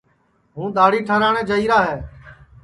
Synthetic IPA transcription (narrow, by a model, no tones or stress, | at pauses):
ɦũːɗ̪aːɽiːʈʰəːɾaːɳɛ̃ːd͡ʒəiːɾaːɦɛː